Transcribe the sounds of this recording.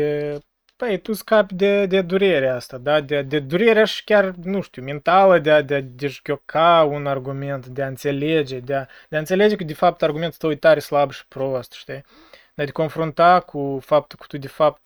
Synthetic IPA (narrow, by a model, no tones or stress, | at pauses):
pəjt̪uskapʲd̪ed̪ed̪uɾeɾeaast̪ad̪ad̪ead̪ed̪uɾeɾeaʃi̥kʲarnuʃt̪ʲiument̪aləd̪ead̪ead̪eʃɡʲo̞kʰaunarɡume̞nt̪d̪eaɨnt̪se̞led͡ʒe̞d̪ea | d̪eaɨnt̪sele̞d͡ʒekəd̪efap̚t̪arɡumet̪t̪əwjt̪aɾeslabʃi̥pɾost̪ʃt̪i | d̪ad̪eko̞nfɾunt̪akʰufap̚t̪ukə̥t̪ud̪efap̚t̪